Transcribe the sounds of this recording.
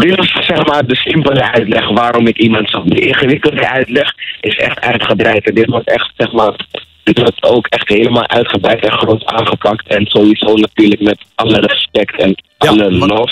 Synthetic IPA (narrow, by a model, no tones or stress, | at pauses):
dɪtɪssɛχmaːrdəsɪmpələœɥtlɛχʋaːɾɔmɪkimɑntsɔdəʔɪ̃ŋχəʋɪkəlˠdəʔœɥtlɛχɪsɛ̰χtœ̰ɥtχəbrɛjtɛndɪtʋɔɹtɛχtsɛχmaːr | d̥ɪtʋɔɹtowkɛχtɦeːləmaːlˠʔœɥtχəbrɛjtɛnχrɔnta̰ːnχəpɑktʰɛnz̥oiz̥ownatyːɹləkmɛtʔɑlərɛspɛktɛnʔɑləlɔf